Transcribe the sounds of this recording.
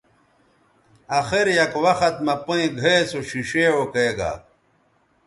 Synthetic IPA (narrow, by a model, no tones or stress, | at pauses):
axeɾjɐkwɐxɐt̪̚mɐpoĩɡʱeesoɕiɕewokeeɡa̰ː